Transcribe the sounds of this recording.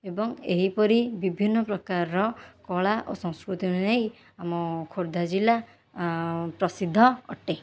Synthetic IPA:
ebɔŋeɦipɔɾibibʱinːɔpɾɔkaɾɔkɔɭaʔosɔ̃ŋ̃skɾut̪inej | amɔkʰoɾd̪ʱad͡ʒila | pɾɔsid̪ʱːɔɔ̰ʈe

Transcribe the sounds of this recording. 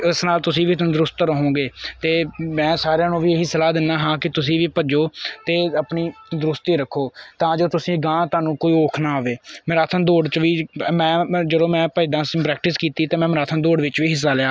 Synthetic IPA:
ɪsnaːlt̪ʊsĩːʋiːt̪ːd̪ʊɾʊst̪ɾəɦõːɡeːt̪eːmɛ̃ːsaːɾjãːnũːʋiːeɦisəlaːd̪ɪnːaːɦãːkɪt̪ʊsĩːʋiːpəd͡ʒoːt̪eːəpniːd̪ɾʊst̪iːɾəkʰːoːt̪ãːd͡ʒoːt̪ʊsĩːɡãːt̪aːnũːkoːiːoːkʰnaːɦoʋeːməɾaːt̪ʰənd̪oːɽt͡ʃʋiːmɛ̃ːd͡ʒəɽoːmɛ̃ːpəɪd̪ãːspɾɛːk̚ʈɪskiːt̪iːt̪eːmɛ̃ːməɾaːt̪ʰənd̪oːɽʋɪt͡ʃʋiːɦɪs̬ːaːlɪjaː

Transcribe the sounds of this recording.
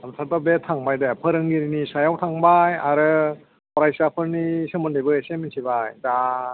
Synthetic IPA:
amsʰatabetʰaŋbajdapʰɯɾɯŋɡiɾinisajawtʰaŋbajaɾɯ | pɔɾajsapʰɯɾnisɯmɯndebɯeseminsʰibajda

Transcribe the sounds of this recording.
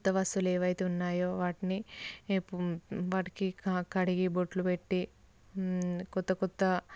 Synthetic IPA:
kt̪ːɐʋɐsuleːʋɐjt̪eunːaːjoːʋaːʈini | ʋaːʈi̥kikkɐɽiɡiboʈlupeʈːi | kɔt̪ːɐkɔt̪ːɐ

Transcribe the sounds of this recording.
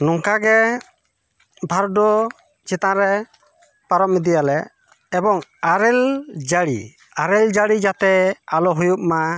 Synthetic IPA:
nɔŋkaɡɛ | bʱaɾɖɔ | t͡ʃit̪ãɾɛ | paɾɔm̚mid̪ijalɛː | bɔŋaɾɛld͡ʒaɽḭ | aɾɛld͡ʒaɽid͡ʒat̪ɛalɔɦujup̚ma

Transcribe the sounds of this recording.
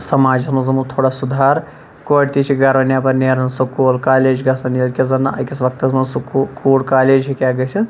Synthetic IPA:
sɐmaːd͡ʒɐsmɐnzɐmut̪ʰoːɽasud̪ʱaːɾ | koɽt̪it͡ʃʰiɡɐɾʋɐnjapɐɾneɾɐnsɐkoːlkaːleːd͡ʒɡɐsɐnilkʲezɐnːaʔɐ̰kʲɐsʋɐk̚t̪ɐsmɐnsukʰuːlkaːleːd͡ʒɦikʲaːɡɐsʰin

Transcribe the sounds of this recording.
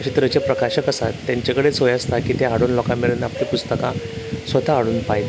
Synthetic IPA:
əɕit̪ɾət͡ɕepɾəkaɕəkəsat̪ːjaɲt͡ɕakəɽet͡sɦojast̪akiːt̪eɦaɽuːnlɔkameɭənaplipust̪əkãsʋət̪ʰaːɽuːnpajt̪

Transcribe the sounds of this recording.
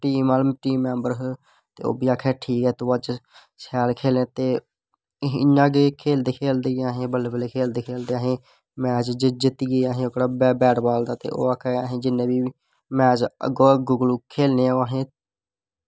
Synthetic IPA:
ʈiːmaːləmʈiːmːɛ̃ːmbəɾɦ | t̪eːo̰ːbiːaːkʰɛːʈʰiːkɛːt̪oːad͡ʒ | sɛːlkʰeːlẽːt̪eː | ɪnãːɡekʰeːld̪eːkʰeːld̪eːɡaːɦẽːbəlːeːbəleːkʰeːld̪eːkʰeːld̪eːaːɦẽː | mɛːd͡ʒd͡ʒd͡ʒɪt̪iːɡeːaɦẽːokɽaːbɛbɛːʈbaːld̪aːt̪ḛːʔo̰ːaːkʰɛːaɦẽːd͡ʒɪnːẽːbiː | mɛːd͡ʒə̰ɡoːɡʊɡəlukʰːeːlneːãoːaɦẽː

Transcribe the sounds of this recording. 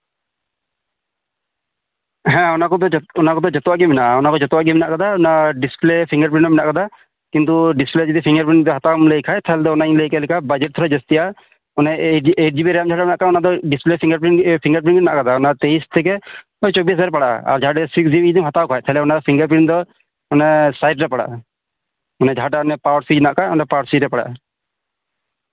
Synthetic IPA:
ɦɛ̃ɔnakɔd̪ɔɔnakɔd̪ɔd͡ʒɔt̪ɔwaɡɛmɛnaʔɔnakɔd͡ʒɔt̪ɔwaɡɛmɛnaʔkad̪aɔnaɖisplepʰiŋɡəɾpɾinɔminaʔkad̪a | kint̪uɖispled͡ʒit̪ipʰiŋɡəɾpɾind̪ɔɦat̪amlejkʰajt̪ʰalɛd̪ɔɔnaiŋlejkalɛkʰabad͡ʒɛʈ̚t̪ʰɔɾad͡ʒɔst̪ija | ɔnaeʈ̚d͡ʒibiɾɛjamd͡ʒʱaɖamɛnaʔkaɔnad̪ɔɖispleiŋɡəɾpɾipʰiŋɡəɾp̬ɾinɛna̰ʔkad̪aɔnat̪eist̪ʰɛkɛ | ɔjt͡ʃobis̬aɾɛpaɽaʔa̰ɾd͡ʒʱaʈɛsiksd͡ʒibd̪imɦat̪awkʰajt̪ʰalɛɔnad̪ɔpʰiŋɡəɾpɾind̪ɔ | ɔnɛsajʈɾɛpaɽa̰ʔ | ɔnɛd͡ʒʱaʈaɔnɛpawɾsid͡ʒnaʔkaɔnɛpawɾsiɾɛpaɽa̰ʔa

